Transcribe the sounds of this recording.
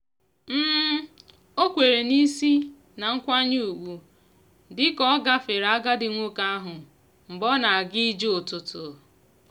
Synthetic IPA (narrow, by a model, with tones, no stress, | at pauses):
m̩ː˦ | o˦kʷe˨ɾe˨ni˦si˦ | na˨ŋ̩˦kʷa˦ɲu˦u˨ɡʷu˨ | dɪ˦kɔ˦ɔ˦ɡa˦fe˨ɾa˨a˦ɡa˦dɪ˨ŋʷo˦ka˦a˦ɦʊ˨ | m̩˨bɔ˦na˨a˨ɡi˦d͡ʒe˦o˨tʊ˨tʊ˨